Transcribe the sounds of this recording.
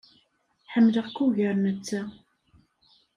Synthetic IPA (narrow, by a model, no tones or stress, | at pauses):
ħəmːləʁkːuʝəɾnət͡sːa